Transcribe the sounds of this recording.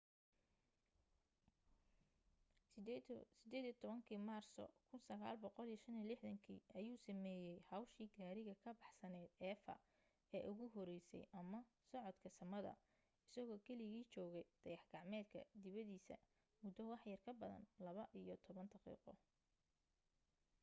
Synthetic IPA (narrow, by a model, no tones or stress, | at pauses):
sɪd̪ɛːðijt̪ʰɔβɐŋkʰiːmaːrsɔ̰kʰʊnsɐɣaːlbɔqɔlijɐʃɐnilɪħðɐŋkʰḭːʔɐjuːsɐmɛːjɛjhɑwʃiːɡaːɾɪɣɐkʰɐbɑħsɐnɛːd̪ɛːfɐ̰ | ɛːʔʊɣʊɦɔɾɛjsɛ̰jʔɐmɐ | sɔʕɔd̪kʰɐsɐmɐðɐ̰ | ɪsɐɣɔːkʰɛlɪɣiːt͡ʃɔːɣɛjd̪̥ɐjɑħɡɑʕmɛːd̪kʰɐ̰d̪ɪβɐðiːsɐ̰ | mʊd̪ɔwɑħjɐrkʰɐbɐðɐ̰nlɐβɐʔijɔt̪ʰɔβɐnd̪ɑqḭːqɔ̰